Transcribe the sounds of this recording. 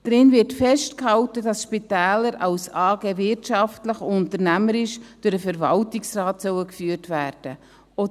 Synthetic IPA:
d̥ɾɪnvɪɾtfɛʃtkhɑwtədɑsʃpitæːləɾɑwsɑːɡeːvɪrtɑftləχʊntəɾnæməɾɪʃd̥ʊɾdəfɛɾvɑ̰ltɪksrɑːtsœwəkfyːəɾtvæːɾd̥ə | o

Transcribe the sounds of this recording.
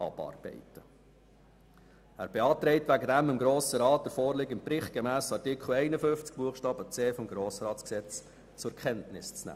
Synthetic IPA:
ʔɑ̰b̥ɑ̰rb̥ɛ̰ɪtə | æːɾb̥eɑːt̪ɾɛɪtʋæɡədæmɪmɡɾoːsəɾɑːt̚d̥̪əɾfɔːɾlɪːɡɪnpɾɪχt̚ɡ̥ɛmæːsɑrtɪkχl̩ɛɪnəfʏnft͡sk̚b̥uəχʃtɑːbət͡seːfɔmɡɾoːsəɾɑːt͡sksɛt͡s | t͡sʊkʰɛntnɪst͡snæ̰ː

